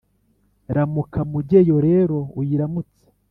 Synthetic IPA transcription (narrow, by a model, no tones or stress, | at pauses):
ɾamukʰamuɟejo̞ɾe̞ɾo̞ujiɾamut͡se̥